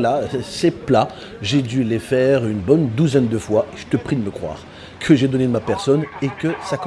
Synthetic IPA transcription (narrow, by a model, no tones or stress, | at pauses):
lasɛpla | ʒed̪ylefɛʁynbɔnd̪uzɛnd̪əfwaeʒ̥ət̪əpχid̪əməkχwa̰ːʁ | kʰəʒed̪ɔned̪əmapɛʁsɔnekəsak